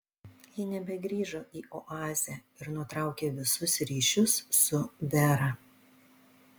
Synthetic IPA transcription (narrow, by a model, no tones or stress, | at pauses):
jɪnʲɛbʲɛɡɾʲiːʒoːʔiːʔɔʔɑːzʲɛ | ɪɾnʊt̪ɾɑˑʊkʲeːʋʲɪsʊsɾʲiːʃʲʊsːʊʋʲɛɾɐ